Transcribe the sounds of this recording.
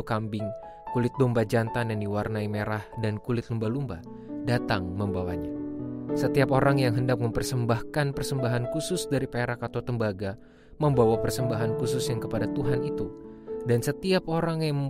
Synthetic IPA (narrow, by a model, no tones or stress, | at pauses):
kambɪŋ | kulɪt̪̚dɔmbad͡ʒant̪anandiwarnaimeɾahdankulɪt̪̚lumbalumba | dat̪aŋməmbawa̰ɲasət̪iapoɾaŋjaŋɦəndak̚məmpərsəmbahkanpərsəmbaɦankusʊsdaɾipeɾakat̪awt̪əmbaɡa | məmbawapərsəmbaɦankusʊsjaŋkəpadat̪uɦanit̪udansət̪iap̚oɾaŋjaŋ